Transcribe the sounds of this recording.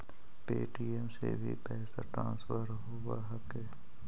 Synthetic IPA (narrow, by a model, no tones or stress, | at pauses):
peːʈiːɛmsebʱipɛːɦsaʈɾã̰ːnsfəɾɦowaɦɐke